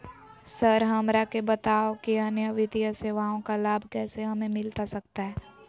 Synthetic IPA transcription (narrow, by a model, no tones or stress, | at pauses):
səɾɦɐmɾakebɐt̪aːokiɐnjəʋɪd̪ijəseːʋaːõkalaːbʱkɛːseɦɐmẽmɪlt̪asɐk̚t̪aɦɛː